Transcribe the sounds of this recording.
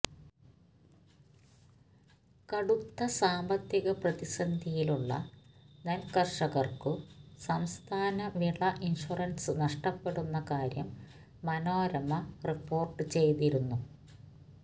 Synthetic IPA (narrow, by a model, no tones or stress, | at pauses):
kɐɽut̪ːɐsaːmbɐt̪jiɣɐprɐðisɐnd̪ʱijiluɭːɐ̰nelkɐrʂɐɣɐrkɨsɐmst̪ʰaːnɐʋiɭɐʔinʂurɐnsɨnɐʂʈɐpːe̞ɽunːɐkaːɾjɐmː | ɐnoːɾɐmɐripːo̞ːrʈɨt͡ɕe̞jt̪iɾunːu